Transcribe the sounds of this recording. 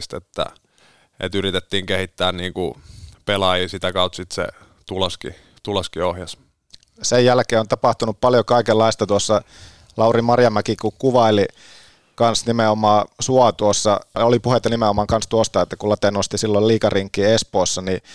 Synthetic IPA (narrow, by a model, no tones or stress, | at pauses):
st̪ḛt̪ːæ̰ | ʔḛt̪yrit̪et̪ːiːŋkehit̪ːæːnniːŋkupelɑjiːsit̪ækɑut̪sit̪sḛ | t̪uloskḭ | t̪ulɑskiohjɑs | sejjælkeːont̪ɑpɑht̪unuppɑljokɑikelːɑist̪ɑt̪uosːɑ | lɑurimɑrjɑmækikukuʋɑili | kɑnsnimeomɑːsuɑt̪uosːɑolipuhet̪ːɑnimeomɑːŋkɑnst̪uost̪ɑet̪ːækulɑt̪enost̪isilːolliːkɑriŋkːˑiːespoːsːɑni